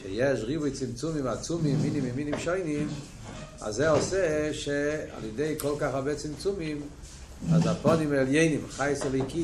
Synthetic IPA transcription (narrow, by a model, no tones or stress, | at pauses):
ʃejɛʃʁivʊjt͡simt͡sumimat͡sumimːinimɪminimʃoɪnim | a̰zeɔsɛʃea̰lˠjɛdeɪkɔlˠkaχabet͡simt͡sumim | azapɔnimɛljeɪnimχajsɛleki